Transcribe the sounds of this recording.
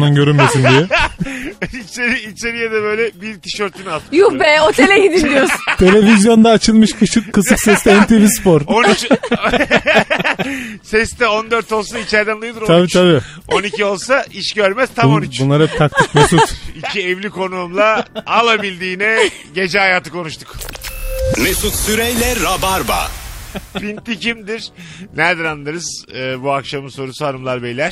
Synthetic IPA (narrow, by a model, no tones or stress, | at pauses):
d̪anɟø̞ɾynmmesind̪ijɛ | it͡ʃeɾiːt͡ʃʰeɾijad̪ɛbø̞jlʲɛbiɾt̪ʰi̥ʃøɾt̪ʰynalˠt̪mjubɛot̪ʰelʲɛɡid̪iʃd̪ijjoɾsut̪ʰe̞lʲe̞vizjo̞nd̪aːt͡ʃʰɯlˠmɯʃkʰɯkːɯsɯksɛst̪ɛɛnt̪ʰevispoɾont͡ʃ | sɛst̪ɛo̞nd̪øɾt̪o̞lˠsait͡ʃæɾd̪ænlˠujod̪uɾoabiːt̪ʰabi | o̞nicʰio̞lˠsaʔiʃɟø̞ɾmɛz̥t̪ʰaoniunlˠaɾhɛp̚t̪ʰak̚t̪ʰiɯkmesut̪icʰiɛvlʲikʰo̞nuːmlˠaalˠabilʲd̪iːnɛ | ɟe̞d͡ʒɛɦajaːt̪ʰɯkʰo̞nuʃt̪ʰuk | mesut̪syɾejlʲɛɾːabaɾba̰ | pint̪ʰːicimd̪iɾ̥ | næɾd̪ɛnanːaɾɯz̥ɯːbuakʃamɯnso̞ɾusuɦanɯmlˠaɾbejlʲæɾ̥